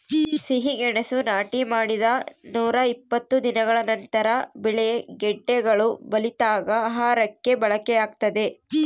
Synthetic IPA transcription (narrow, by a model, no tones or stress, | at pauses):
siɦiɡɛɳesunaːʈimaːɽid̪ɐnuːɾɐipːɐt̪ːud̪inɐɡɐɭɐnɐnt̪ɐɾɐbiɭeɡɛɖːɛɡɐɭubɐlit̪aːɡɐːɦaːɾɐkːe̞bɐɭɐkɛjaːɡ̚t̪ɐd̪e̞